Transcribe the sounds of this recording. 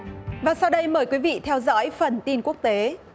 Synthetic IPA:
vaː˨˩sa˧wɗə˧jməː˨˧˩jkwi˨˦vḭ˧˨t̪ʰɛ˧wzɔ̰˧˥jfə˨˩nt̪i˧nku˦˥ək̚t̪e˨˦

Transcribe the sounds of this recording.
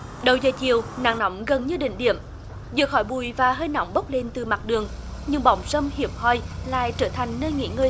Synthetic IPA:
ɗə˨˩wzəː˨˩jt͡ɕi˨əwna̰ː˧˩ŋnɔ˧˦wŋ͡mɣə˨˩nɲɨ˧ɗḭ̈˧˨ŋ̟ɗḭ˧˨əm | zɨ̰˧˨əxɔ˧˩˦jɓu˧˩jvaː˨˩ɦəː˧jnɔ̰˧˦wŋ͡mɓə˦˥wk͡p̚li˧nt̪ɨ˨˩ma˨˩t̚ɗɨ˨˩əŋɲɨ˧ŋɓɔ̰˧˦wŋ͡msə˧mhi˧˦əp̚hɔ˧˩jla̰ː˧˨jt͡ɕəː˧˩t̪ʰa˨˩jŋ̟nəː˧jŋḭ˧˥ŋɨ˧

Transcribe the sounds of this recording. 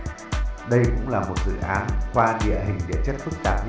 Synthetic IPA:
ɗə˧jkʊ̰˧˥ŋ͡mlaː˨˩mo˨˩t̚zɨ̰˧˨ʔaː˨˦nkwaː˧ɗḭ˧˨əɦï˨˩ŋ̟ɗḭ˧˨t͡ɕə˦˥t̚fɨ˦˥k̚t̪aː˧˩p̚

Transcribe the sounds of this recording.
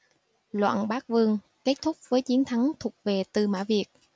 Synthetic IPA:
lwa̰ː˧˨nɓaː˦˥k̚vɨ˧əŋ | ke˦˥t̚t̪ʰʊ˦˥k͡p̚vəː˨˦jt͡ɕi˨˦ənt̪ʰa˨˦ŋt̪ʰʊ˨˩ək͡p̚ve˨˩t̪ɨ˨˩ma̰ː˧˥vi˨˩ək̚

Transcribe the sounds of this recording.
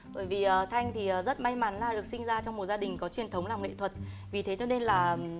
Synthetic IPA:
ɓə̰ː˧˩jvi˨˩ʔəː˨˩t̪ʰa˧jŋ̟t̪ʰi˨˩ʔəː˨˩zə˦˥t̚ma˧jma˨˦nlaː˨˩ɗɨ˨˩ək̚sï˧ŋ̟zaː˧t͡ɕɔ˧wŋ͡mmo˨˩t̚zaː˧ɗï˨˩ŋ̟kɔ˨˦t͡ɕwi˨˩ənt̪ʰə˨˦wŋ͡mlaː˨˩mŋḛ˧˨t̪ʰwə˨˩t̚ | vi˨˩t̪ʰe˨˦t͡ɕɔ˧ne˧nlaː˨˩

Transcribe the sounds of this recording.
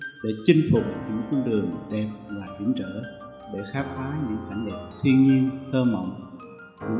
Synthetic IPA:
ɗḛ˧˩t͡ɕï˧ŋ̟fʊ˨˩k͡p̚ɲɨ̰˧˥ŋknɗɨ˨˩əŋɗɛ˨˩p̚lwaː˨˩hḭ˧˩əmt͡ɕə̰ː˧˩˨ | ɗe˧˩xaː˦˥p̚faː˨˦ɲɨ̰˧˥ŋka˧˩jŋ̟ɗɛ˨˩p̚t̪ʰi˧ənɲi˧ənt̪ʰəː˧mə̰˧˨wŋ͡m

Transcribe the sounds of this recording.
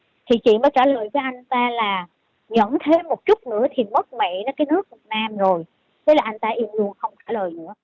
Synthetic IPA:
t̪ʰi˨˩t͡ɕḭ˧˨məː˨˦jt͡ɕaː˧˩ləː˨˩jvəː˨˦jʔa˧jŋ̟t̪aː˧laː˨˩ | ɲə̰˧˥nt̪ʰe˨˦mo˨˩t̚t͡ɕʊ˦˥t̚nɨ̰˧˥ət̪ʰi˨˩mə˦˥t̚mɛ̰˧˨nɔ˨˦kaː˨˦jnɨ˦˥ək̚vi˨˩t̚naː˧mzo˨˩j | t̪ʰe˨˦laː˨˩ʔa˧jŋ̟t̪aː˧ʔi˧əmlu˧ənxə˧wŋ͡mt͡ɕaː˧˩ləː˨˩jnɨ̰˧˥ə

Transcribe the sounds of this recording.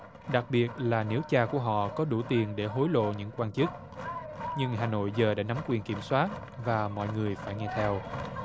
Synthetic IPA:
ɗa˨˩k̚ɓi˨˩ət̚laː˨˩ne˨˦wt͡ɕaː˧ku˧˩əɦɔ̰˧˨kɔ˨˦ɗu˧˩t̪i˨˩ənɗe˧˩ɦo˨˦jlo̰˧˨ɲɨ̰˧˥ŋkwaː˧nt͡ɕɨ˦˥k̚ | ɲɨ˧ŋɦaː˨˩no̰˧˨jzəː˨˩ɗa̰ː˧˥na˨˦mkwi˨˩ənki˧˩əmswaː˦˥t̚ | vaː˨˩mɔ̰˧˨jŋɨ˨˩əjfaː˧˩jŋɛ˧t̪ʰɛ˧w

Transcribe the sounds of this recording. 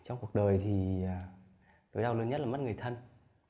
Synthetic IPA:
t͡ɕɔ˧wŋ͡mku˨˩ək̚ɗəː˨˩jt̪ʰi˨˩˨ | ɗo˨˦jɗaː˧wlɨ˧nɲə˦˥t̚laː˨˩m˦˥t̚ŋɨ˨˩jt̪ʰə˧n

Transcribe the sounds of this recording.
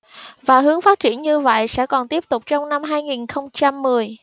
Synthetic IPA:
vaː˨˩ɦɨ˨˦əŋfaː˦˥t̚t͡ɕi˧˩ənɲɨ˧və̰˧˨jsɛ̰˧˥kɔ˨˩nt̪i˦˥əp̚t̪ʊ˨˩k͡p̚t͡ɕɔ˧wŋ͡mna˧mɦaː˧jŋi˨˩nxə˧wŋ͡mt͡ɕa˧mːɨ˨˩əj

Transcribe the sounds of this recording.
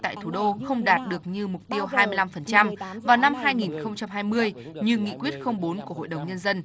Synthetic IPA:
t̪a̰ː˧˨jt̪ʰu˧˩ɗo˧xə˧wŋ͡mɗaː˨˩t̚ɗɨ˨˩ək̚ɲɨ˧mʊ˨˩k͡p̚t̪i˧əwɦaː˧jmɨ˧əjla˧mfə˨˩nt͡ɕa˧mvaː˨˩wna˧mɦaː˧jŋi˨˩nxə˧wŋ͡mt͡ɕa˧mɦaː˧jmɨ˧əjɲɨ˧ŋḭ˧˨kwi˦˥ət̚xə˧wŋ͡mɓo˨˦nku˧˩ɦo̰˧˨jɗə˨˩wŋ͡mɲə˧nzə˧n

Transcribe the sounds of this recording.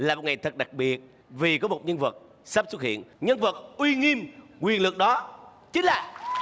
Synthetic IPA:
laː˨˩mo˨˩ŋa˨˩jt̪ʰə˨˩t̚ɗa˨˩k̚ɓi˨˩ət̚ | vi˨˩kɔ˨˦mo˨˩t̚ɲə˧nvə˨˩t̚ | sə˦˥p̚swə˥t̚hḭ˧˨ənɲə˧nvə˨˩t̚ʔwi˧ŋi˧mŋwi˨˩ənlɨ˨˩ək̚ɗɔ˨˦ | t͡ɕï̟˨˦laː˨˩

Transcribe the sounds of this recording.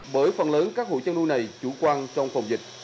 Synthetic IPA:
ɓəː˧˩jfə˨˩nləː˨˦nkaː˦˥k̚ho̰˧˨jt͡ɕə˧nlu˧jna˨˩jt͡ɕu˧˩kwaː˧nt͡ɕɔ˧wŋ͡mfə˨˩wŋ͡mzï˨˩k̟̚

